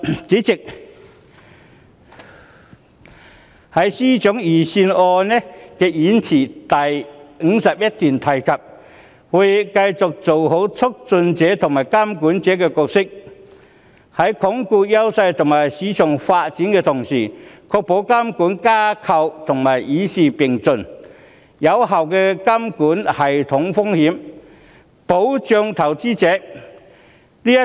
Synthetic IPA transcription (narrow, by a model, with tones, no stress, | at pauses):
t͡siː˨˥t͡sɪ˨k̚ | hɐ˨˥jsiː˥t͡sʊ˨˥ŋjiː˨˩siː˧nɔː˧nɛ˥kɛː˧jiː˨˥nt͡sʰiː˨˩t̪ɐ˨jŋ̩˨˥sɐ˨p̚jɐ˥t̚t̪yː˨nt̪ʰɐ˨˩jkʰɐ˨p̚ | wu˨˧jkɐ˧jt͡sʊ˨k̚t͡so˨wɦo˨˥wt͡sʰʊ˥k̚t͡sɵ˧nt͡sɛː˨˥t̪ʰŋmaː˨˩jkaː˥mkuː˨˥nt͡sɛː˨˥kɛː˧kɔː˧k̚sɪ˥k̚ | hɐ˨˥jkʰʊ˨˥ŋku˧jɐ˥wsɐ˧jt̪ʰʊ˨˩ŋmaː˨˩jsiː˨˧˥t͡sʰœː˨˩ŋfaː˧t̚t͡siː˨˥nkɛː˧t̪ʰʊ˨˩ŋsiː˨˩kʰɔː˧k̚po˨˥wka˥mkuː˨˥nkaː˥kʰɐ˧wt̪ʰʊ˨˩ŋmaː˨˩jiː˨˥siː˨pɪ˨˩ŋt͡sɵ˨n | jɐ˨˧wɦɐ˨wkɛː˧kɐ˥mkuː˨˥nhɐ˨jt̪ʰʊ˨˥ŋfʊ˥ŋhiː˨˥m | po˨˥wt͡sœː˧ŋt̪ʰɐ˨˩wt͡siː˥t͡sɛː˨˥ | niː˥jɐ˥